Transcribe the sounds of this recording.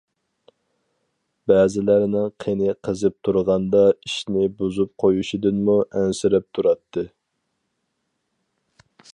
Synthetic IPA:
bæzɪlæɾnɪŋqʰenɪqʰəzɨp̚t̪ʰuɾʁɑnd̪ɑiʃnɪbuzup̚qʰojuʃid̪ɨnmuʔɛnsɪɾɛp̚t̪ʰuɾɑt̪ʰːɨ

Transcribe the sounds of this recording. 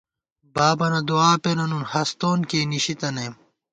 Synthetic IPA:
baːbɐnɐd̪uaːpenɐnunhɐst̪oːnkeːniɕit̪ɐneːm

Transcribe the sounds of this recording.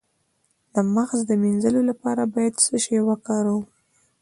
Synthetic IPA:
ləmaxzd̪əminzəlolapɑɾabɑjad̪səʃewɑkɑɾuw

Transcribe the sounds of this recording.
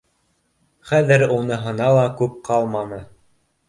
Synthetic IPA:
χæðɘɾunɤɦɤ̆nɑlˠɑkʉp̚qʰɑlˠmɑnɤ

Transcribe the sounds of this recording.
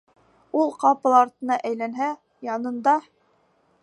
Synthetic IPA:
ulˠqɑpɤ̆lˠɑɾt̪ɤ̆nɑʔæjlænɦæ | jɑnɤ̆nd̪ɑ

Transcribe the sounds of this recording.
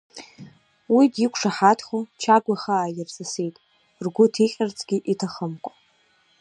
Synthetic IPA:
widikʷʰʂaħatʰχʷot͡ʃʰaɡʷaχaːjɪrzʼɨsejtʼ | rɡʷʊtʰiqʲʼart͡sʰʼɡʲiʔitʰaχəmkʷʼa

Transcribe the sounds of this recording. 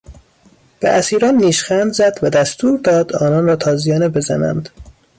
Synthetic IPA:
b̥eʔæsiːɾɒːnːiːʃxænd̪zæd̪væd̪æst̪uːɾd̪ɒːd̪ɒːnɒnrɒːt̪ʰɒːzijɒːnebe̞zæ̰næ̰nd̪

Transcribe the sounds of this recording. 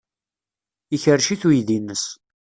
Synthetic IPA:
içərʃiθujðinːəs

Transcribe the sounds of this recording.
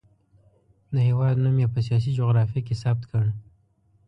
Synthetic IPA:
d̪əɦewɑd̪namjepəs̬ijɑs̬id͡ʒoɣɾɑfiik̬esab̚t̪kʰəɽ

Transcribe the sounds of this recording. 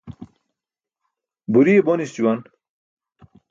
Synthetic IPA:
buɾiebonist͡ɕuwan

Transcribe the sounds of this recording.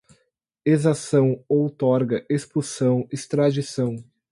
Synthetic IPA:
ezasɐ̃w̃owt̪ɔɾɡɐʔespusɐ̃w̃ɪst̪ɾad͡ʒisɐ̃w̃

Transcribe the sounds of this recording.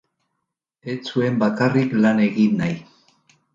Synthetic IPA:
e̞t͡sue̞mbakariklane̞ɣinːaj

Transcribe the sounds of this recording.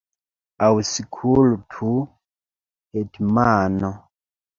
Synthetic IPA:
awusikʰulutʰu | hɛtimaːnɔ

